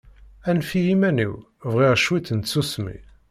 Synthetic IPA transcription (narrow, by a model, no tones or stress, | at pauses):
ænfiimænḭw | vʁiʁʃwit̪ənt̪susmḭ